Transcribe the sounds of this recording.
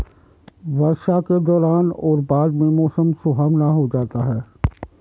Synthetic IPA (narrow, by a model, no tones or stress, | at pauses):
ʋəɾʃaked̪ɔːɾaːnɔːɾbaːd̪mẽmɔːsəmsʊɦəmnaɦod͡ʒaːt̪aɦɛː